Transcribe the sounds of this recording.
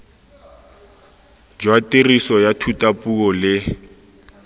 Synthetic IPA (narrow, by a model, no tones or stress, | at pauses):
d͡ʒwatʼerisɔjatʰutʼapʼuɔlɪ